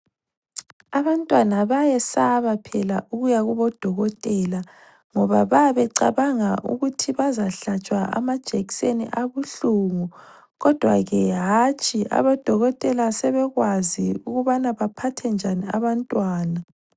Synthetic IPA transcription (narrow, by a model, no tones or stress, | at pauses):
aβantʼwanaβajɛsaβapʰɛla̰ʔuɣujaɣuβɔd̥ʱɔɣɔtʼɛla | ŋɔβaβaβɛǀa̰βaŋaʔṵɣutʰiβazaɬat͡ʃʼwaʔa̰mad̥ʒ̥ʱeɣisenḭʔaβuɬuŋu | ɣɔd̥ʱwa̰ɣɛɦat͡ʃʼia̰βɔd̥ʱɔɣɔd̥ʼɛlasɛβɛɣwaziuɣuβanaβapʰatʰɛnd͡ʒʱaniaβantʼwaːna